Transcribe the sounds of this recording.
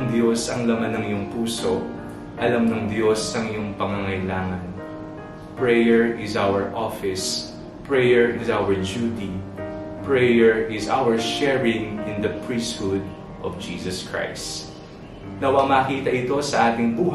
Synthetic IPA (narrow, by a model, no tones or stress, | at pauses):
ŋd̪josɐŋlɐmanɐŋjʊŋpuːsoʔ | ʔɐlɐmnɐŋd̪jo̞sɐŋjʊŋpɐŋɐŋɐjlaːŋɐn | pɹɛjɛɹɪzawɛɹʔɔfɪs | pɹɛjɛɹʔɪzawɛɹd͡ʒuːt̪i | pɹɛjɛɹʔɪza̰wɛɹʃɛɹɪ̃ŋɪ̃nd̪ɐpɹist̪̚hʊd̪̚ | ʔɔfd͡ʒiːsɐskɹa̰js | nɐwɐmɐːkiːt̪ɐʔɪt̪o̞sɐʔaːt̪ɪŋbuːh